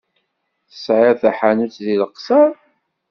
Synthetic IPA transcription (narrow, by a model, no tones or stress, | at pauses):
θə̥sʕɪɾθæħanut͡sðiləqsəɾ